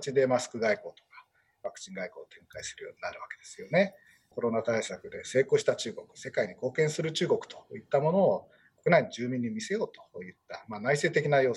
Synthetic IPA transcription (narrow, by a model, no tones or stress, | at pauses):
t͡ɕid̪e̞masɨ̥kɯ̟ɡaiko̞ːt̪o̞̥kḁ | βakɯ̟̥t͡ɕĩŋɡaiko̞ːt̪ʰẽ̞ŋkaisɨɾɯ̟jo̞ːɲ̟inaɾɯ̟βake̞̥d̪̥e̞sɨ̥jo̞ne̞ | ko̞ɾo̞nat̪aisakɯ̟d̪e̞se̞ːko̞ːɕi̥t̪at͡ɕɨːɡo̞kɯ̟̥se̞kaiɲ̟iko̞ːkẽ̞ɰ̃sɨɾɯ̟t͡ɕɨːɡo̞kɯ̟̥t̪o̥it̪ːamo̞no̞ː | ko̞kɯ̟naiɲiʑɨːmʲĩɲ̟ːimʲise̞jo̞ːt̪o̥jɯ̟t̪ːamaːnaise̞ːt̪e̞kʲinajo̞ː